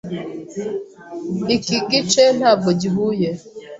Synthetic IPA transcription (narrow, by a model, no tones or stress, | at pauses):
ikiɡit͡ʃɛnabɔd͡ʒiɦujɛ